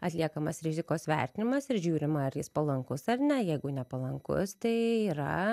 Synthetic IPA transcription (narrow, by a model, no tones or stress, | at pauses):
ɐt̪ʲlʲiɛkɐmɐsɾʲɪzʲɪkoːsʋʲɛ̰rʲt̪ʲɪnʲɪmɐsɪrʒʲuːɾʲɪmɐɐɾjɪspɐlˠɐŋkʊsɐrnʲɛjɛɪɡʊnʲɛpɐlˠɐŋkʊ̰st̪ɐɪiːɾɐ̰